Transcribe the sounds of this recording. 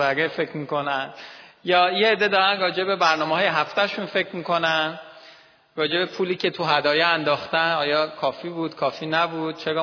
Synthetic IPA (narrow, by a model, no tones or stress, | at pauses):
æɾefe̞kʰmiːko̞nænd̪̥jɒːjeːd̪ːe̞d̪ɒːɾænrɒːd͡ʒe̞be̞bæɾnɒːmeɦɒːjeɦæft̪æʃunfe̞cʰmiːkʰo̞næn | ɾɒːd͡ʒe̞be̞pʰuːliːcʰe̞t̪ʰuɦæd̪ɒːjɛænd̪ɒːxt̪ænɒːjɒːkʰɒːfiːbuːd̪̥kʰɒːfiːnæbuːd̪̥̚t͡ʃʰeɡɒː